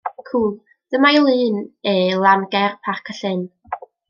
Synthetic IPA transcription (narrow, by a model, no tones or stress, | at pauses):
kʰuːlˠ | d̥əmajlˠɨːnelˠanɡɛrpʰarkʰəɬɨn